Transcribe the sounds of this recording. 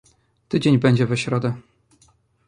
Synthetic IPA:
t̪ɘd͡ʑeɲbɛɲd͡ʑɛvɛɕɾɔd̪ɛ

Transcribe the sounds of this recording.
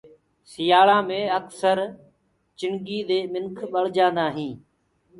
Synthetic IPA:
sɪjaːɭãːmẽːəksəɾ | t͡ʃɪŋɠiːɗ̪eːmɪnkʰɓəɭ̤d͡ʒãːnd̪aːɦĩː

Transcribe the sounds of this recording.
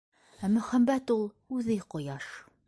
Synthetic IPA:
æmɵ̆χæmːæt̪ulˠ | ʉðɘqŏjɑʃ

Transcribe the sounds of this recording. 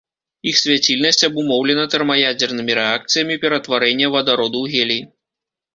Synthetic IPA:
ixsʲvʲat͡sʲilʲnɐsʲt͡sʲɐbumɔwlʲɛnɐt̪ɐrmɐjad͡zʲɛrnɨmʲiɾɛak̚t̪sɨjɐmʲipʲɛɾɐt̪vaɾɛnʲːɐvɐd̪aɾɔd̪uwɣʲɛlʲi

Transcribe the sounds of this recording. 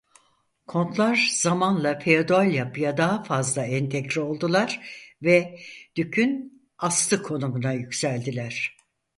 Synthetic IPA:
kʰo̞nt̪lˠaɾzamanlˠafʰeod̪oalʲjapʰɯjad̪aɦafazlˠaɛnt̪ʰɛɟɾio̞lˠd̪ulˠaɾ̥vɛd̪̥ycʰyn | ast̪ɯkʰo̞numunajycʲsælʲd̪ilʲæɾ̝̥

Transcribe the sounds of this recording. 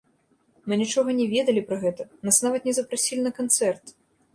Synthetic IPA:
mɨnʲit͡ʂɔɣɐnʲɛvʲɛd̪ɐlʲipɾɐɣɛt̪ɐnasnavɐt̪nʲɛzɐpɾasʲilʲinɐkant̪sɛrt̪

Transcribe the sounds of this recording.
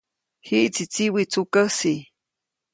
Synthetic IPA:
hiʔt͡sit͡siwit͡sukəsi

